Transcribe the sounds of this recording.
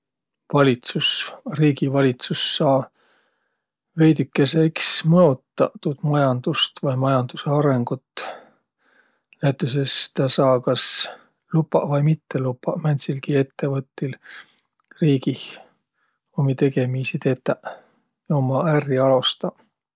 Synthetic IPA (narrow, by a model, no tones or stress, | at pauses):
vɑlʲit̪susriːɡivɑlʲit̪susːɑː | ve̞jd̪ykːˑe̞se̞ksmɤot̪ːˑɑt̪ːud̪̥mɑjɑnd̪̥ust̪vɑjmɑjɑnd̪̥use̞ɑɾe̞ŋɡ̥ut̪ | næjt̪ːˑus̬e̞st̪ɑsɑːkɑs | lupːɑvɑjmit̪ːe̞lupːɑmænʲt̪silɡie̞t̪ːe̞vɤt̪ːˑil | riːɡi | omit̪e̞ɡe̞misit̪et̪ːˑæ | omɑæriɑlost̪ɑ